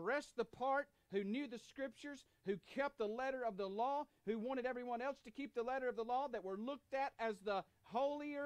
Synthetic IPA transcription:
ɹɛsðəpʰɑɹt̚ | hʉnjʉðɨskɹɪp̚t͡ʃə˞z̥ | hʉkʰɛp̚t̪̚ðəlɛɾə˞ʌvðəlɔ | hʉwɑ̃ɾ̃ɨɾɛvɹiwʌ̃nɛlˠstʰɨkʰip̚ðəlɛɾə˞ʌvðəlɔðɨt̚wə˞lʊk̚tɨɾɨzðə | hoʊlˠiə

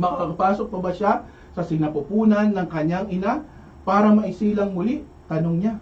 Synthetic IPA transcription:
mɐkɐkɐɡapaːsok̚pɐbaʃa | sɐsɪnɐpʊpuːnɐnːɐŋkɐɲaŋɪna | paːɾɐmɐʔɪsiːlɐŋmʊliʔ | t̪ɐnoŋɲa

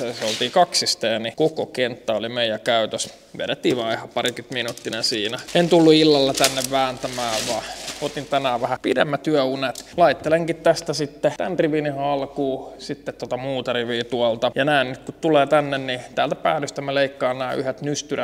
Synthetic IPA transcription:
eseolt̪iːkɑksist̪enikokokent̪ːɑolimeijækæyt̪øs | ʋḛɾet̪ːiːʋɑihɑpɑrikyt̪minut̪ːinesiːnæent̪ulːuilːɑlːet̪ænːeʋʋæːnt̪æmæːʋʋɑːot̪int̪ænæːʋʋæhæpidḛmːæt̪yæunet̪lɑit̪ːeleŋkit̪t̪æst̪æsit̪ːet̪æ̰nriʋinihɑlkuːsit̪ːet̪ːot̪ɑmuːt̪ɑriʋiːt̪uɑlt̪ɑjɑnæːnnyt̪kut̪t̪uleːt̪ænːennit̪æːlt̪æpæ̰ːlyst̪æmːeleikːɑːnnæːyhet̪nyst̪yræ

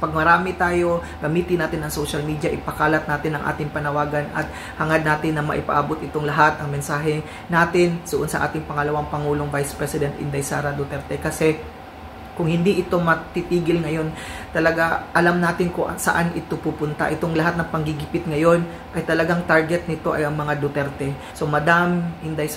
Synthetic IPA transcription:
pɐɡ̚mɐɾaːmɪt̪aːjo̞ | ɡɐmiːt̪ɪnaːt̪ɪnɐŋsowʃɐlmiːd̪jɐʔɪpɐkaːlɐt̪̚naːt̪ɪnːɐŋʔa̰ːt̪ɪŋpɐnɐwaːɡɐnɐ̰t̪̚ | hɐŋad̪naːt̪ɪnːɐmɐ̰ʔɪpɐ̰ʔaːbot̪̚ʔɪt̪oŋlɐɦat̪ɐŋmɛnsaːɦɛ | naːt̪ɪnd̪ʊʔonsɐʔa̰ːt̪ɪŋpɐŋɐlɐwaŋpɐŋuːlo̞ŋvajspɹɛsɪd̪ɛnt̪ʔɪ̰nd̪ɐjsaːɾɐd̪ot̪ɛɾt̪ɛkɐsɛ | kʊŋhɪnd̪iʔɪt̪o̞mɐt̪it̪iːɡɪlŋɐjo̞nt̪ɐlɐɡaʔɐlamnaːt̪ɪnkʊʔsɐ̰ʔanʔɪt̪opupʊnt̪a̰ʔɪt̪oŋlɐɦat̪nɐŋpɐŋɡɪɡɪpɪt̪̚ŋɐjo̞n | ʔɐjt̪ɐlɐɡaŋt̪aɹɡɛt̪̚nɪt̪o̞ʔɐ̰jʔɐŋmɐŋad̪ot̪ɛɾt̪ɛ | so̞mɐd̪amɪnd̪aj

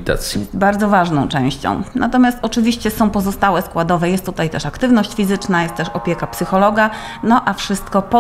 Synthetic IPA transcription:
t̪a̰t̪sbaɾd̪ɔvaʐnɔ̃w̃t͡ʂɛ̃w̃ɕt͡ɕɔ̰̃w̃nʔa̰t̪ɔmʲjast̪ɔt͡ʂɘvʲiɕt͡ɕɛsɔ̃w̃pɔzɔst̪awɛskwad̪ɔvɛjɛst̪ːut̪ajt̪ɛʂakt̪ɘvnɔɕt͡ɕfʲizɘt͡ʂnajɛst̪ːɛʂɔpʲjɛkapsɘxɔlɔɡa | nɔʔafʂɘst̪kɔp

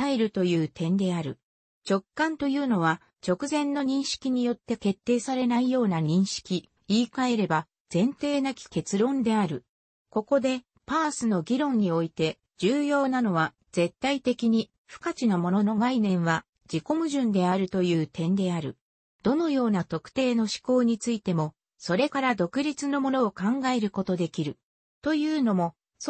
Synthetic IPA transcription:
aeɾɯ̟t̪o̞jɯ̟ːt̪ẽ̞nd̪e̞aɾɯ̟̰ | t͡ɕo̞kːãnt̪o̞jɯ̟ːno̞β̞a | t͡ɕo̞kɯ̟zẽ̞nːo̞ɲ̟ĩɰ̃ɕi̥kʲiɲ̟ijo̞t̪ːe̞ke̞t̪ːe̞ːsaɾe̞naijo̞ːnaɲ̟ĩɰ̃ɕi̥kʲi | iːkae̞ɾe̞ba | z̥ẽ̞nt̪e̞ːnakʲi̥ke̞t͡sɨɾõ̞nd̪e̞aɾɯ̟ | ko̞ko̞d̪e̞ | paːsɨno̞ɡʲiɾõ̞ɲ̟ːio̞it̪e̞ | d͡ʑɨːjo̞ːnano̞βa | z̥e̞t̪ːait̪e̞kʲiɲ̟i | ɸɯ̟̥kat͡ɕinamo̞no̞no̞ɡainẽ̞ɰ̃βa | d͡ʑiko̞mɯ̟ʑɨ̃nd̪e̞aɾɯ̟t̪o̞jɯ̟ːt̪ẽ̞nd̪e̞aɾɯ̟̰ | d̪̥o̞no̞jo̞ːnat̪o̞kɯ̟̥t̪e̞ːno̞ɕi̥ko̞ːɲ̟it͡sɨit̪e̞mo̞ | so̞ɾe̞kaɾad̪o̞kɯ̟ɾʲit͡sɨno̞mo̞no̞ːkãŋɡae̞ɾɯ̟ko̞t̪o̞d̪e̞kʲiɾɯ̟ | t̪o̞jɯ̟ːno̞mo̞ | s

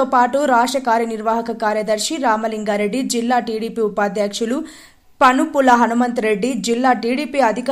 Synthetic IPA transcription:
oːpaːʈuɾaːʂɐkaːɾjɐniɾʋaːɦɐkɐkaːɾjɐd̪ɐɾʂiɾaːmɐliŋɡaːɾe̞ɖːid͡ʒilːaːʈiːɽiːpiːupaːd̪jaːkʂulu | pɐnupulɐɦɐnumɐnt̪ɾe̞ɖːid͡ʒilːaːʈiːɽiːpiɐd̪ʱik

